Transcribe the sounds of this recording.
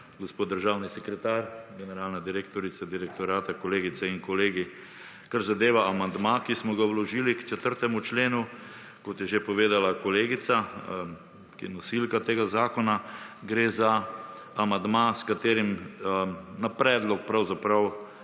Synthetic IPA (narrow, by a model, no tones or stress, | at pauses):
ɡospoːt̪d̪əɾʒaːwnisɛkɾɛt̪aːɾɡɛnɛɾaːlnad̪iɾeːkt̪ɔɾit̪sad̪iɾɛk̚t̪ɔɾaːt̪akɔleːɡit̪sɛinkɔleːɡi | kaɾzad̪eːʋaamand̪makismɔɡawlɔʒiːlikt͡ʃɛt̪əɾt̪ɛmut͡ʃleːnu | kɔt̪jɛʒepɔʋeːd̪alakɔleːɡit̪sa | kiɛnɔsilkat̪eːɡazaːkɔnaɡɾeːzaː | mand̪maskat̪eːɾim | napɾɛːd̪lɔk̚pɾawzapɾaw